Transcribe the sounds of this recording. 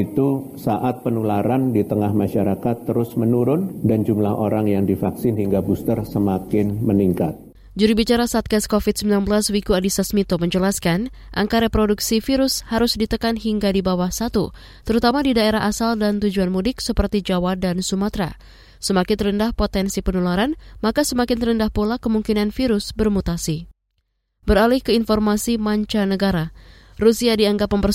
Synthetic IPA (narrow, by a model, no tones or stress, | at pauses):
it̪u | saʔat̪̚pənulaɾandit̪əŋahmaʃaɾakat̪ːəɾʊsmənuɾʊndand͡ʒumlaɦoɾaŋjaŋdifaksɪnhiŋɡabust̪ərsəmakɪnməniŋkat̪̚ | d͡ʒuɾibit͡ʃaɾasat̪̚ɡaskofit̪̚səmbilanbəlaswikuadisasmit̪oməɲd͡ʒəlaskan | ʔa̰ŋkaɾepɾoduksifiɾʊshaɾʊsdit̪əkanɦiŋɡadibawahsat̪u | t̪əɾut̪amadidaeɾaɦasaldant̪ud͡ʒuanmudɪk̚səpərt̪id͡ʒawadansumat̪ɾa̰ | səmakɪnt̪əɾəndahpot̪ɛnsipənulaɾanmakasəmakɪnt̪əɾəndahpulakəmuŋkinanfiɾʊsbərmut̪asi | bəɾalɪhkəinfɔrmasimaɲt͡ʃanəɡaɾa | rusiadiaŋɡapməmpər